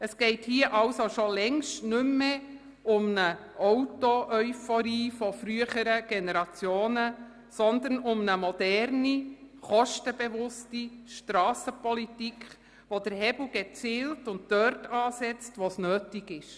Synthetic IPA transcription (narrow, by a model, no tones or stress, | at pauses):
əsɡ̥ɛɪthiəʔɑwsoʃolɛŋʃtnʏmːe | ʊmnəʔɔwtoʔœʏfɔɾiːfɔfɾyəχəɾəɡ̥enɛɾɑt͡sjoːnə | sɔnd̪ənʊmnəmɔd̥ɛɾniχɔʃtəbeʋʊstiʃtɾɑːsəpɔlitikχ | ʋod̥əɾhɛbl̩ɡ̥ɛt͡siːltʊnt̚tœɾtɑːsɛt͡stʋosnøːtɪɡɪʃ